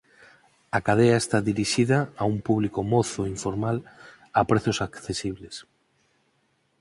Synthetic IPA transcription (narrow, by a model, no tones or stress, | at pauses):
akað̞eaest̪aðiɾiʃiðɐːumpuβlikomoθoiɱfoɾmal | apɾeθjosakθesiβles